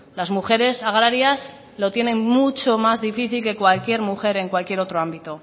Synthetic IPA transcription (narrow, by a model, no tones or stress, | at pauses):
lazmuxe̞ɾe̞saɣ̞ɾaɾjas | lo̞t̪je̞ne̞ŋmut͡ʃo̞mazðifiθilke̞kwalkje̞ɾmuxe̞ɾe̞ŋkwalkje̞ɾo̞t̪ɾo̞ambit̪o̞